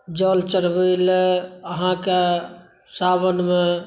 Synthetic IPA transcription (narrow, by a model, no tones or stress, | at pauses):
d͡ʒɔːlt͡ʃəɾbəiləɦãke | saːβənme